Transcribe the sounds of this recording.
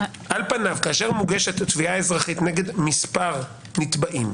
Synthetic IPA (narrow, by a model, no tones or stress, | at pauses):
ʔalpanavkaːʃe̞ʁmuɡe̞ʃet̪atviae̞zʁaχitne̞ɡe̞dmispaʁ | nit̪baʔim